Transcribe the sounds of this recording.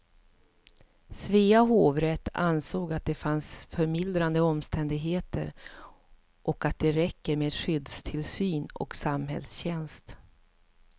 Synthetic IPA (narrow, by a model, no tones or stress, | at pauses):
sviːaɦoːvɾɛt̪ːa̰nsoːɡat̪̚d̪ɛfansfœɾmɪld̪ɾand̪əɔmst̪ʰɛnd̪ɪɡɦeːt̪ə̰ɾ | ʔɔkat̪̚d̪ɛɾɛkːəɾmeːd̪ɧʏd̪st̪ʰɪlsyːnɔ̰ksamhɦɛ̰lsɕɛnst̪